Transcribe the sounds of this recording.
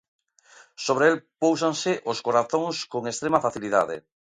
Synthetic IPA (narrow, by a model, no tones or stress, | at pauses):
soβ̞ɾeelpows̬aŋseʔoskoɾaθõŋskoŋest̪ɾemafaθiliða̰ðḛ